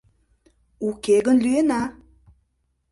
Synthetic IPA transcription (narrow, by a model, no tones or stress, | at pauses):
ukeɡənlyena